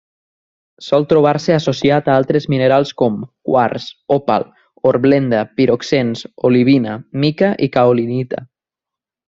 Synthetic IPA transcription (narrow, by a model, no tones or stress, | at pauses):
sɔlˠt̪ɾuβ̞aɾseasosiat̪aalˠt̪ɾezmineɾalˠskɔmkwa̰ɾsopa̰l | oɾβlend̪apiɾoksensoliβ̞inamikaʔikaolinit̪a̰